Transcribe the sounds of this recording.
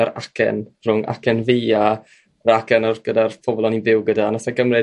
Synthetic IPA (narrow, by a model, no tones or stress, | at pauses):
aɾakʰɛ̰nr̥ʊŋʔa̰kɛnveja | ɾakɛnɔrɡ̥ədarpʰɔbɔlˠɔninvɪwɡədanasaɡəmrɛ